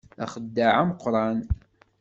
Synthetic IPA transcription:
æ̰χəd̪ːaʕamqːɾˤɑn

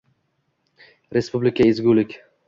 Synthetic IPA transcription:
ɾespublɪkʰaezɡʲulɪkʲ

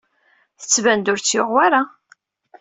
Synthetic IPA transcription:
θə̥t͡sːvænd̪ʊɾt͡sːjoʁwaɾa

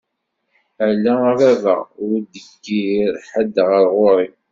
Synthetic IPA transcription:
əʕlːæɾævə̰ʁʊɾd̪əɡːiɾħəd̪ːʁəɾˤʁoɾˤi

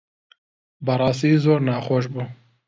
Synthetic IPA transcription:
bɨɾˤɑːst̪iːzoːɾnɑːxoːʃ̬buː

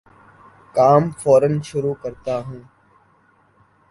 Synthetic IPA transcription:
kaːmfoːɾənʃʊɾuːkəɾt̪aːɦũː

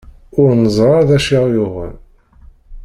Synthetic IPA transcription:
ʊɾnəzˤɾˤɑðæʃiʁjʊʁə̰l

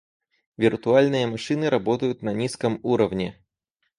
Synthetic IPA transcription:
vʲirt̪ʊalʲnɨjɐmɐʂɨnɨɾɐbɔt̪ɐjʊt̪nɐnʲiskɐmuɾɐvnʲɪ

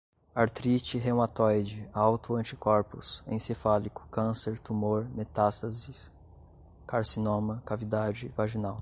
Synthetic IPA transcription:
aɾt̪ɾit͡ʃɪɦẽw̃at̪ɔjd͡ʒɪawt̪ʊɐ̃t͡ʃikɔɾpʊ̰sḛ̃sefalikʊ̥kɐ̃seɾt̪umoɾmet̪ast̪ɐzɪ | kaɾsinõmɐkavid̪ad͡ʒɪvaʒinaw

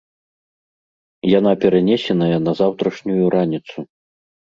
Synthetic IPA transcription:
janapʲɛɾanʲɛsʲɛnɐjɐnɐzawt̪ɾɐʂnʲujuɾanʲit̪su

